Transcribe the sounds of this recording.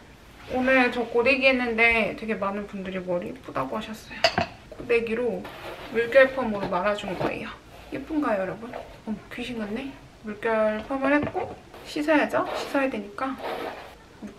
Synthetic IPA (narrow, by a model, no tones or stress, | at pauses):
onɯɭt͡ɕʌk͈one̞ɡiɦe̞nːɯnde̞twe̞ɡe̞manɯnpundɯɾimʌɾip͈udaɡoɦaɕʰʌs͈ʌjo | k͈one̞ɡiɾomuɭk͈jʌɭpʰʌmoɾomaɾad͡ʑunɯnɡʌ̰ḛjʌ | ip͈unɡajʌɾʌbun | ʌkɥiɕʰiŋɡɯnːe | muɭk͈jʌɭpʰʌmɯɭhe̞t̚k͈oɕʰisʰajad͡ʑʌɕʰisʰʌjadwe̞ɲik͈a | mu